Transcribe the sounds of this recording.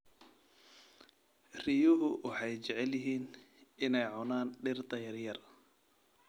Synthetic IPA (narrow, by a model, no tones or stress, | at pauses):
rijʊɦʊwʔɑħɑjt͡ʃɛʕɛljɪɦiːn | ɪnɛjʕʊnaːnɖɪrt̪ʰɐjɐrjɐr